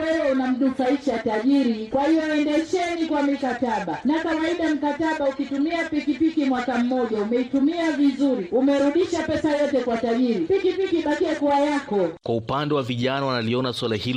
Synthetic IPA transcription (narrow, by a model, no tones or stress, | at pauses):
ɛɾɛunam̩nufaiʃataʄiɾikwahijɔɛndɛʃɛnikwamikataɓanakawaiɗam̩kataɓaukitumiapikipikimwakam̩mɔʄaumɛitumiavizuɾiumɛɾuɗiʃapɛsajɔtɛkwataʄiɾipikipikiɓakiɛkuajakɔkwaupandɛwaviʄanawanaliɔnaswalahil